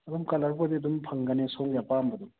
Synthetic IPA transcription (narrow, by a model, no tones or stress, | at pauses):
ɐd̪umkɐlɐɾbodiɐd̪umpʰɐŋɡɐnesoŋɡjapambɐd̪um